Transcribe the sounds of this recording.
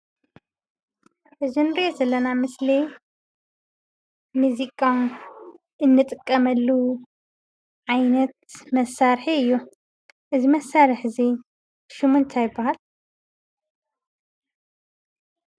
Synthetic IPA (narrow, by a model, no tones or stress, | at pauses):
ɨzɨnɾezɐlːɐnamɨsli | muzikʼːan | ʔɨnːɨt̪ʼɨkʼːɐmɐlːu | ʕajnɐt̪̚mɐsaɾħiɨjːu | ʔɨzimɐsːaɾɨħzi | ʃumɨnt̪ʰajɨbːahal